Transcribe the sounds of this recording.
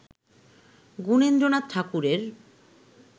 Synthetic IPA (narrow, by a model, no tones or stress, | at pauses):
ɡunend̪ɾonat̪̚t̪ʰakuɾeɾ